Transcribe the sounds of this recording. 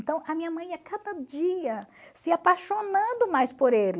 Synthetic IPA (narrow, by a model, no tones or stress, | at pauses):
t̪ɐ̃w̃ɐmĩɲɐmɐ̃j̃ɐkad̪ɐd͡ʒiɐsɪapaʃonɐ̃d̪ʊmajspoɾelɪ